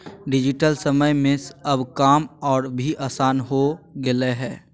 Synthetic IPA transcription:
ɖɪd͡ʒɪʈəlsəməjmesəbkaːmɔːɾbʱiʔaːsaːnɦoɡeleɦɛː

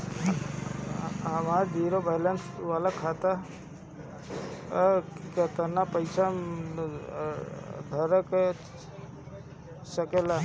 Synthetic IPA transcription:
ɦəmaɾd͡ʒiɾobajlənsʋalakʰat̪a | kət̪ənapəɪsa | d̪ʱəɾəke | səkela

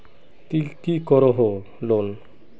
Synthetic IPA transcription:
t̪ikikɔɾoɦo | lon

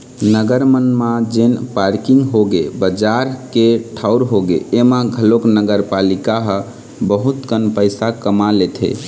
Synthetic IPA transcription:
nəɡəɾmənmad͡ʒenpaɾkiŋɡɦoɡebəd͡ʒaɾkeʈʰaʊɾɦoɡḛːmaɡʱəloknəɡəɾpalikaɦə | bəɦut̪kənpəɪsakəmalet̪ʰɦḛ

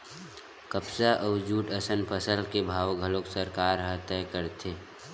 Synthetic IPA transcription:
kəpsaʔɔʋd͡ʒuːʈəsə̃nd̪pəsəld̪kebʱaːʋɡʱəloksəɾkaːɾɦə̃t̪ɛːkəɾt̪ʰeː

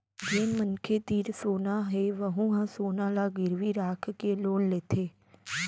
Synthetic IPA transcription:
d͡ʒeːmmənkʰet̪iːɾsoːnaɦeʋəɦũɦãsoːnalaɡɪɾʋiɾaːkʰkeloːnleːt̪ʰeː

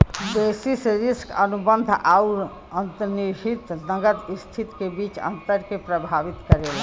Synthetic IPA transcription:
d̪esisɾiskənubənd̪ʱauɾ | ənt̪əniɦit̪nəɡət̪ist̪ʰit̪kebit͡ʃə̰nt̪əɾkepɾəbʱaʋit̪kəɾel

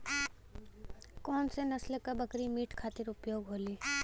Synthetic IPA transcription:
kɔːnsenɐslkabɐkɾimiːʈʰkʰaːt̪ɪɾʊpjoːɡɦoːliː

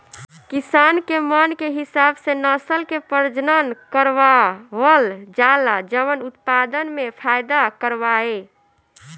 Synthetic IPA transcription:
kisankemənkeɦisabsenəsəlkepəɾd͡ʒnənkəɾʋaʋəld͡ʒalad͡ʒəʋənut̪pad̪ənmepʰajd̪akəɾʋae

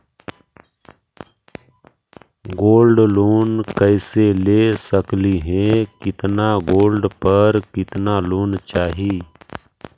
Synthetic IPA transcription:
ɡoːlɖloːnkəɪseleːsəkliɦɛ̃kɪt̪naɡoːlɖpəɾkɪt̪naloːnt͡ʃaːɦiː

